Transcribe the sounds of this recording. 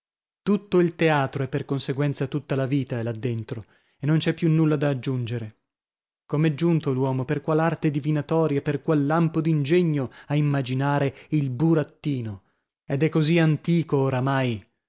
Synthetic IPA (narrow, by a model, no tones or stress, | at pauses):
t̪ut̪ːoilt̪eaːt̪ɾoɛpːerkonseɡwɛnt̪sat̪ut̪ːalaviːt̪aelad̪ːent̪ɾo | enːont͡ʃɛpːjunːulːad̪aːd͡ʒːund͡ʒeɾe | komɛd͡ʒːunt̪olwɔːmoperkwalart̪ed̪ivinat̪ɔːɾjaperkwalːampod̪ind͡ʒeɲːoaimːad͡ʒinaːɾeilbuɾat̪ːiːno | ed̪ɛkːoziant̪iːkooɾamaj